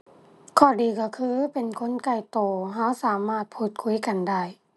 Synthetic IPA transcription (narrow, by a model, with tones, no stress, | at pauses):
kʰɔː˧˩diː˨˩kɔ˧˩kʰɯː˧˥˦pe˨nkʰo˧˥˨nka˧˩jt̪oː˨˩ɦa˧˥wsaː˨˦maː˧˥˩t̪̚pʰuː˧˩t̪̚kʰu˧˦jka˨nda˥˩j